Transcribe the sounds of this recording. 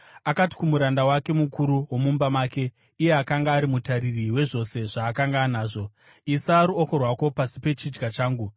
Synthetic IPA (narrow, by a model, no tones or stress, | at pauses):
akati̥kumuɾandawake̞mukuɾuwo̞mumbamaːke̞ | ije̞akaŋɡaːɾimutaɾiriwe̞ʐo̞se̞ʐaːkaŋɡaːnaːʐo̞ | isaːɾuoko̞rwako̞pasi̥pe̞t͡ʃid͡ʒɡat͡ʃaːŋɡu